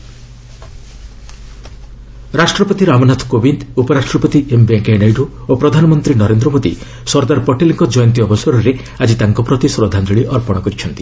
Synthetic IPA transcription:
ɾasʈɾɔpɔt̪iɾamɔnat̪ʰkobind̪upɔɾaʃʈɾɔpɔt̪iʔembeŋkenajɖoopɾɔd̪ʱanɔmɔnt̪ɾinɔɾend̪ɾɔmod̪ḭ | sɔɾd̪aɾpɔʈeliŋkɔd͡ʒɔjɔnt̪̬iɔbɔsaɾɔɾe | ad͡ʒit̪aŋkɔpɾɔt̪isɾɔd̪ʱand͡ʒɔɭiʔɔɾpɔɽ̃ɔkɔɾit͡ʃʰɔnt̪i̥

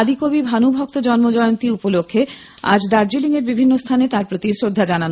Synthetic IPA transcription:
d̪ikobibʱanubʱɔk̚t̪od͡ʑɔnmod͡ʑɔjont̪iupolokʰːe | a̰d͡ʑd̪aɾd͡ʑiliŋeɾbibʱinːost̪ʰanet̪aɾpɾot̪isɾod̪ʱːad͡ʑanan

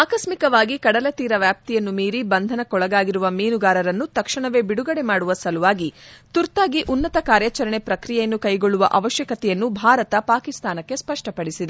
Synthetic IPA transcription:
aːkɐsmikɐʋaːɡikɐɽɐlɐt̪iːɾɐʋjaːp̚t̪ijɐnːumiːɾibɐnd̪ʱɐnɐkɔɭɐɡaːɡiɾuʋɐmiːnuɡaːɾɐɾɐnːut̪ɐkʂɐɳɐʋe̞ːbiɽuɡɐɽe̞maːɽuʋɐsɐluʋaːɡit̪uɾt̪aːɡiʔunːɐt̪ɐkaːɾjat͡ʃɐɾɐɳe̞pɾɐkɾijɛjɐnːukɐjɡoɭːuʋɐʔɐʋɐʃjɐkɐt̪ɛjɐnːubʱaːɾɐt̪ɐpaːkist̪aːnɐkːe̞spɐʂʈɐpɐɽisid̪e

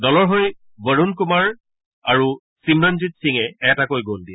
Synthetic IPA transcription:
dɔlɔɹɦoj | bəɹunkumaɹ | aɹu | simɹanzit̚siŋɛɛtakojɡoldiɛ

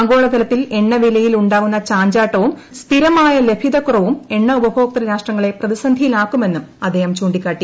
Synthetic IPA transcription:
ŋɡo̞ːɭɐt̪ɐlɐt̪ːile̞ɳːɐʋilɐjiluɳɖaːɣunːɐt͡ɕaːɲd͡ʑaːʈːɐʋum | st̪ʰiɾɐmaːjɐle̞bʱiðɐkurɐʋume̞ɳːɐubɐbʱo̞ːk̚t̪ɐɾɐɾaːʂʈrɐŋːɐɭe̞prɐðisɐnd̪ʱijilaːkːume̞nːumɐd̪ʱːeːhɐmt͡ɕuːɳɖikʲːaːʈːi

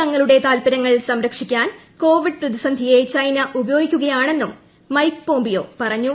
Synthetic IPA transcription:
ɐŋːɐɭuɽe̞t̪aːlpɐɾɐŋːɐɭsɐmɾɐkʂikʲːaːn | ko̞ːʋiɖɨprɐðisɐnd̪ʱijet͡ɕɐjnɐʔubɐjo̞ːɡikʲːuɣɐjaːɳe̞nːumː | ɐjkpo̞ːmbijo̞̰ːpɐrɐɲːu

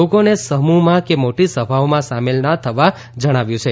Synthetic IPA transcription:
okonesəɦmumãkemoʈisəbʱaʋmãsamelnət̪ʰəʋa | d͡ʒəɽ̃aʋjũt͡ʃʰe

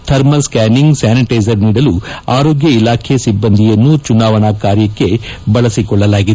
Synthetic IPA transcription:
t̪ʰɐɾmɐskaːniŋɡsaːniʈɐjzɐɾniːɽɐluaːɾoːɡjɐilaːkʰesibːɐnd̪ʱijɐnːut͡ʃunaːʋɐɳɐkaːɾjɐkːe̞bɐɭɐsikɔɭːɐlaːɡid̪e

